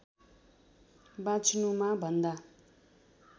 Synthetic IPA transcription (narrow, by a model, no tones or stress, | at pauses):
bat͡sʰnumabʱʌnd̪a